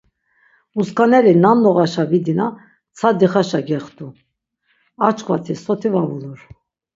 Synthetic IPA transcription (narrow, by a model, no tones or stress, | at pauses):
uskanɛɾinamnɔʁaʃavid̪ina | t͡sʰad̪iχaʃaɡɛχt̪u | at͡ʃkva̰t̪ʰisɔt̪ʰivavuluɾ